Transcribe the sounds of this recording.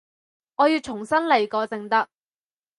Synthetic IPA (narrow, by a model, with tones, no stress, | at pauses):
ŋɔː˨˧jiː˨˧wt͡ʃʰʊ˨˩ŋsɐ˥nle˨˩jkɔː˨˧t͡sɪ˨˧ŋt̪ɐ˥k̚